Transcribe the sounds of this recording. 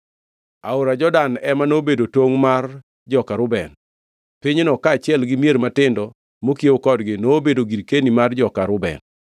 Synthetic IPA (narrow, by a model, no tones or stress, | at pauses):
aʊɾad͡ʒɔdanɛmanobedotwoŋmar | d͡ʒɔkaɾʊbɛn | pɪɲenɔkaːt͡ʃɪɛlɡɪmijeɾmatɪndɔ | mokieokɔdɡɪnoːbedoɡiɾkenimard͡ʒɔkaɾʊbɛ̰n